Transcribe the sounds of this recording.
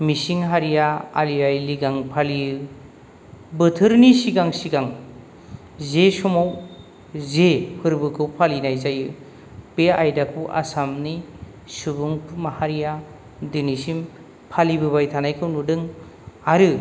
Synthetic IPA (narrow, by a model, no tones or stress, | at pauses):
misiŋɦaɾijaaliajliɡaŋpʰalijɯ | bɯtʰɯɾnisiɡaŋsiɡaŋ | zesɔmaw | zehʰɯɾbɯkʰɯwpʰalinajzajɯ | beajdakʰɯwʔa̰samni | subuŋpʰɯmahaɾija | dɯnisim | pʰalibɯβajtʰanajkʰɯwnudɯŋ | aɾɯ